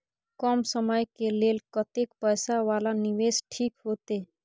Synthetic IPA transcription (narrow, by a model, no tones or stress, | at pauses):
kɔmsəməjkelelkət̪ekpəjsaʋalaniʋesʈʰikɦot̪e